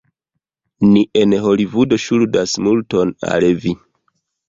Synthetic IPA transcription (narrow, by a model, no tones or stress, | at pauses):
niʔenɦo̞livudo̞ʃuldasmulto̞na̰lvi